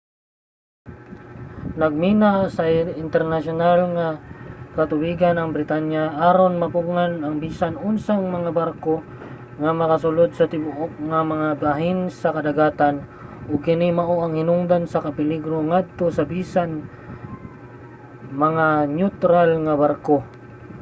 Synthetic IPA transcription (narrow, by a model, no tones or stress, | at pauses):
nɐɡ̚miːnasɐɪnt̪ɛɾnaʃonalŋakɐt̪ʊwiːɡanɐŋbɾɪt̪anjaʔaːɾonmɐpuŋanɐŋbiːsanʊnsaŋmɐŋabaɾko̞ | ŋamɐkɐsʊlod̪̚sɐt̪ɪbʊʔok̚ŋamɐŋabaɦɪnsɐkɐd̪ɐɡaːt̪anʔʊɡ̚kɪnimɐʔoʔɐŋhɪnʊŋd̪ansɐkɐpɪliɡɾoŋad̪̚t̪o̞sɐbiːsan | mɐŋanjut̪ɾalŋɐbaɾko